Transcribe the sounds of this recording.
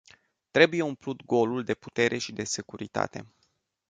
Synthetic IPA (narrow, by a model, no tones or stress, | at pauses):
t̪ɾe̞buje̞umplut̪ɡo̞luld̪e̞pu̥t̪e̞ɾʔe̞ʃid̪e̞se̞kuɾit̪a̰t̪e̞̰